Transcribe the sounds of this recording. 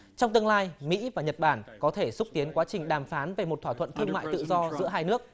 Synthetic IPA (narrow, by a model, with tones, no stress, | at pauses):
t͡ɕɔ˧wŋ͡mt̪ɨ˧əŋlaː˧jmḭ˧˥vaː˨˩ɲə˨˩t̚ɓaː˧˩nkɔ˨˦t̪ʰe˧˩sʊ˦˥k͡p̚t̪i˨˦ənkwaː˨˦t͡ɕï˨˩ŋ̟ɗaː˨˩mfaː˨˦nve˨˩mo˨˩t̚t̪ʰw̪ːʰwə̰˧˨nt̪ʰɨ˧əŋma̰ː˧˨jt̪ɨ̰˧˨zɔ˧zɨ̰˧˥əɦaː˧jnɨ˦˥ək̚